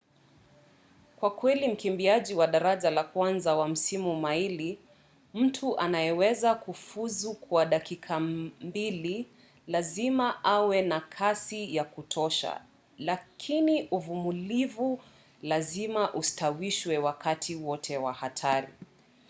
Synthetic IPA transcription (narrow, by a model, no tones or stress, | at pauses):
kwakwɛlim̩kimbiaʄiwaɗaɾaʄalakwanzawam̩simumaili | m̩tʰuʔanajɛwɛzakufuzukwaɗakikʰambili | lazimaʔawɛnakʰasijakutʰɔʃa̰ | lakʰiniʔuvumulivu | lazimaʔustawiʃwɛwakatʰiwɔtʰɛwahatʰaɾḭ